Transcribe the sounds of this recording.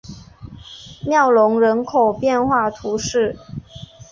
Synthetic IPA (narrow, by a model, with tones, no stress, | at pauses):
mjɑ˥˩ʊlʊ˧˥ŋɻə˧˥nkʰo˨˩ʊpjɛ˥˧nxwa˥˩t̪ʰu˧˥ʂɻ̩˥˩